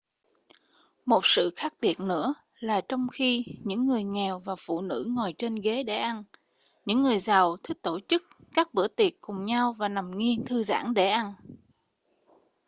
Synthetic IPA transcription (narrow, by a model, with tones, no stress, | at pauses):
mo˨˩t̚sɨ̰˧˨xaː˦˥k̚ɓi˨˩ət̚nɨ̰˧˥ə | laː˨˩t͡ɕɔ˧wŋ͡mxi˧ɲɨ̰˧˥ŋːɨ˨˩əjŋɛ˨˩wvaː˨˩wfṵ˧˨nɨ̰˧˥ŋɔ˨˩jt͡ɕe˧nɣe˨˦ɗe˧˩ʔa˧n | ɲɨ̰˧˥ŋːɨ˨˩əjza˨˩wt̪ʰï˦˥k̚t̪o˧˩t͡ɕɨ˦˥k̚kaː˦˥k̚ɓɨ̰˧˩ət̪i˨˩ət̚kʊ˨˩ŋ͡mɲa˧wvaː˨˩na˨˩mŋi˧ənt̪ʰɨ˧za̰ː˧˥˩ŋɗe˧˩ʔa˧n